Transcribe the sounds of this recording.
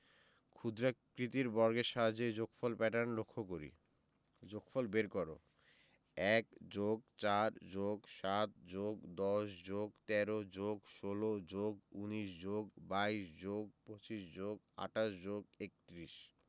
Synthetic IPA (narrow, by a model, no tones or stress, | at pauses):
kʰud̪ɾakɾit̪iɾbɔɾɡeʃad͡ʑed͡ʑokfolpɛʈanlokʰːok̬oɾḭ | d͡ʑokfolbeɾkɔɾo̰ | ɛkd͡ʑoɡt͡ɕaɾd͡ʑoɡʃat̪̚d͡ʑoɡd̪ɔʃd͡ʑoɡt̪ɛɾod͡ʑoɡʃolod͡ʑoɡuniʃd͡ʑoɡbaiʃd͡ʑoɡ̚pot͡ɕiʃd͡ʑoɡ̚ | a̰ʈaʃd͡ʑoɡek̚t̪ɾiʃ